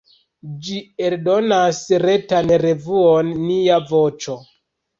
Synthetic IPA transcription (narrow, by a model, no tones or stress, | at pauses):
d͡ʒieɾdonasɾetanɾevuonːiavo̞t͡ʃo